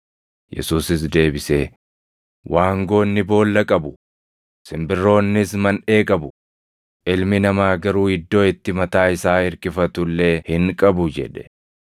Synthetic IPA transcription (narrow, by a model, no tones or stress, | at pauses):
jɛ̰suːsɪs̬d̪e̞ːbɪseː | wʔaːŋɡo̞ːnːɪbo̞ːlːɐkʼɐbʊ | sɪmbɪrːo̞ːnːɪsmɐnᶑe̞ːkʼɐbʊ | ʔɪlmɪnɐmaːɡɐɾuːɪd̪ːo̞ːɪt̪ːɪmɐt̪aːɪsaːɪɾkɪfɐt̪ʊlːeːhɪŋkʼɐbʊd͡ʒɛ̰ᶑɛ̥